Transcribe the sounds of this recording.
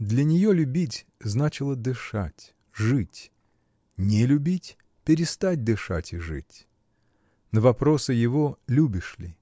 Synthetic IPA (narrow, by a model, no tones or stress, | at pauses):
d̪lʲɐnʲɪjolʲʊbʲitʲ | znat͡ɕɪlˠəd̪ɨʂatʲ | ʐɨtʲ | nʲɪlʲʊbʲitʲ | pʲɪɾʲɪst̪at̚ʲd̪ɨʂa̰tʲɪʐɨ̰tʲ | nəvɐpɾo̞sɨjɪvolʲubʲɪʂlʲɪ